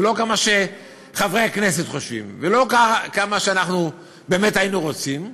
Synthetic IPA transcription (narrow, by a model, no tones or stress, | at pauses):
lo̞kamaʃe̞ | χavʁejhakne̞se̞tχo̞ʃvḭmvelo̞kakamaʃeanaχnu | be̞ːme̞tajinuʁo̞t͡sim